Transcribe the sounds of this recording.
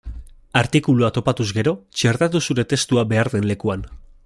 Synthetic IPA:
aɾt̪ikuluat̪o̞pat̪uzɡe̞ɾo̞t͡ʃe̞ɾt̪at̪usuɾe̞t̪e̞st̪uabe̞aɾðe̞nle̞kuan

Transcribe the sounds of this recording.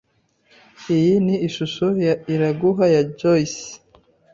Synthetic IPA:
ijiniːʃuʃujaiɾaɡuɦajad͡ʒois

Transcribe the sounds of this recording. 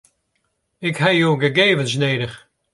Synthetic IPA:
ɪkhɛjoːɡəɡeːvəns̬neːdəx

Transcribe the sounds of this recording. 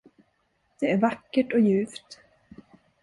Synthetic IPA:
d̪̥ɛæɾvakːəʈɔjʉ̟ːft̪

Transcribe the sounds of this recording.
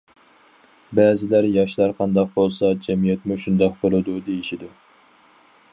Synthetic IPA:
bɛːzɪlæɾjɑʃlˠɑɾqʰɑnd̪ɑq̚bolˠsɑd͡ʒɛmijɛt̪muʃund̪ɑq̚bolˠɨd̪ud̪ejiʃid̪ʊ

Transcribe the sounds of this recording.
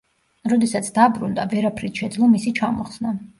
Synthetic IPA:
ɾɔd̪ɛsat̪sʰd̪abɾund̪avɛɾapʰɾit̪ʃɛd̪zlˠɔmisit͡ʃʰamɔχsna

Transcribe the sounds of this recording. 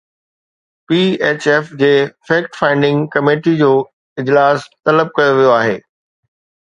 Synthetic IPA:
piːeːt͡ɕɛːfd͡ʑeːfeːk̚ʈfãːɪ̃ɳɖɪ̃ŋɡkɐmeːʈid͡ʑoː | ɪd͡ʑlaːst̪ɐləb̚kɐjoʋijoaːɦeː

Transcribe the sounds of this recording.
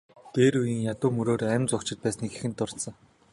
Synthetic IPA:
t̪eːɾujiːŋjat̪ʊːmɵɾoːɾæmt͡sʊkt͡ɕɪ̆t̪̚pæːsniːɡexɘ̆nt̪ːʊr̥t̪sə̆ŋ

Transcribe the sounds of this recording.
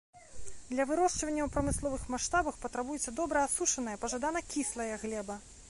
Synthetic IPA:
d̪lʲɐvɨɾɔʂt͡ʂvɐnʲːɐwpɾɐmɨslˠɔvɨxmaʂt̪abɐxpɐt̪ɾabujɛt̪sʲːɐd̪ɔbɾɐasuʂɐnɐjɐpɐʐad̪anɐkʲislˠɐjɐɣlʲɛbɐ

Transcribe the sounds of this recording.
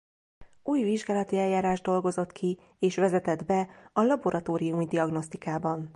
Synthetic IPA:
uːjviʒɡaːlɒt̪iɛljaːɾaːʒd̪o̞lɡo̞zo̞t̪kʰi | eːʃʋɛzɛt̪ɛd̪bɛɒlɒbo̞ɾɒt̪oːɾijumid̪iɒɡno̞st̪ikaːbɒn

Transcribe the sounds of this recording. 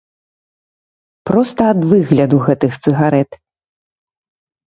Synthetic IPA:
pɾɔst̪ɐːd̪vɨɣlʲɐd̪uɣɛt̪ɨxt̪sɨɣaɾɛt̪

